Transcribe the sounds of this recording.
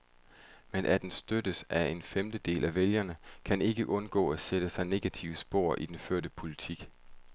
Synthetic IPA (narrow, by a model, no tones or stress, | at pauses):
menʔæd̥ensd̥ød̥əsæe̝nfemd̥əd̥e̝̰ːlʔæʋeljɐnəkʰæne̝ɡ̥əʔɔ̽nɡ̥ɔ̰ːæsed̥əsɑ̈ɪne̝ɡ̥æt͡sʰḭʊəsb̥o̝ːɐ̰ʔid̥enføɐ̰dəpʰo̝lit͡sʰiɡ̥